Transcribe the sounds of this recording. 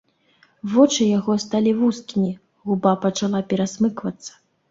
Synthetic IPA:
vɔt͡ʂɨjaɣɔst̪alʲivuskʲimʲi | ɣubapɐt͡ʂalˠapʲɛɾasmɨkvɐt̪sːɐ̥

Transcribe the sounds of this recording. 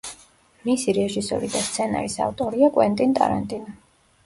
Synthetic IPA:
misiɾɛʒisɔ̰ɾid̪ast̪sʰɛna̰ɾisa̰ft̪ʼɔɾiakʼwɛnt̪ʼint̪ʼa̰ɾant̪ʼina

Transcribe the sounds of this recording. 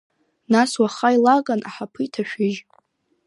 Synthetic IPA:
naswaχajlaɡʼanʔaħapʰɨjtʰaʃᶣɪʒ

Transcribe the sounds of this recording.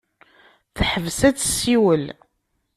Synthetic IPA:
θħəvsæt͡sːsiwəl

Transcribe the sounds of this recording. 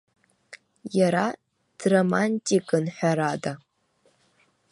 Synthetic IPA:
jaɾa | d̥romanʲtʼikʼɨnħʷaɾada

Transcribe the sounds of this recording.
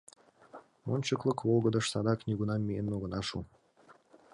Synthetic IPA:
monʲt͡ɕəklˠɤ̆kvolˠɡɤ̆d̪ɤ̆ʃsɑd̪ɑknʲiɡunɑmʲːijenoɣɤ̆nɑʃṵ

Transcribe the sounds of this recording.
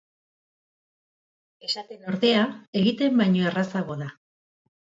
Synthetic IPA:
e̞sat̪e̞no̞ɾðe̞ae̞ɣit̪e̞mbajɲo̞erasaɣo̞ða

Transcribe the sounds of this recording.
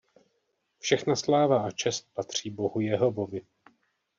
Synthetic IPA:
fʃɛxnaslaːvaʔat͡ʃɛst̪̚pat̪r̝̥iːbo̞ɦujɛɦo̞vo̞vɪ

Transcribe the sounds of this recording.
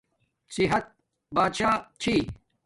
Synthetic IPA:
siɦɐt̪̚ | baːd̪ʃaːt͡ɕʰiː

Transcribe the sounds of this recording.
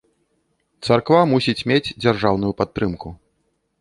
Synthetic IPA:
t̪sarkvamusʲit͡sʲmʲed͡zʲd͡zʲarʐawn̪ujupat̪ːɾɨmku

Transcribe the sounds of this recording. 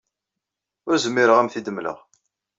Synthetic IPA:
ʊɾzəmːiɾəʁæmθid̪əmːlə̰ʁ

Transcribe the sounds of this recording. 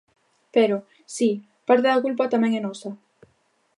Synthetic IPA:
peɾo | si | paɾt̪eðakulpat̪amɛ̃ŋɛnɔsa

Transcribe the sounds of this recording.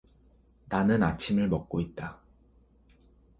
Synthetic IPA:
nanɯnat͡ɕʰimɯɭmʌk̚k͈oit̚t͈a

